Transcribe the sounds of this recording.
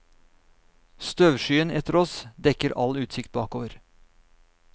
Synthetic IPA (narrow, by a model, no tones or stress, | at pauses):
st̪øʋʃyːənɛt̪əɾɔsd̪ɛkəɾʔɑ̰lʉːt̪sɪkt̪̚bɑːkoːʋəɾ